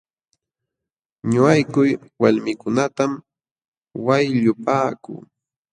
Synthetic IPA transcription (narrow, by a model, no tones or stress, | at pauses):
ɲʊajkʊjwaʎmɪkʊnat̪am | wajʎʊpaːkʊ̰ː